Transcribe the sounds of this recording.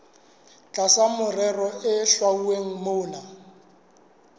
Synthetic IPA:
t͡ɬʼasamʊrɛrɔɪɬwauweŋ̩moːna

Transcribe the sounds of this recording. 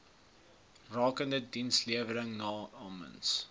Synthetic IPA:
rɑːkəndədinsliəvələŋnɑːɑːmə̰ns

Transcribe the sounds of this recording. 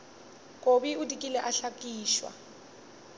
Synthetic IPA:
kʼobiudʼikʼilɛʔaɬakʼiːʃwa̰

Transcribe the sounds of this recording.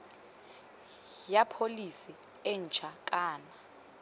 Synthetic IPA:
japʰolisi | ɛn̩t͡ʃʰak̬ʼaːna

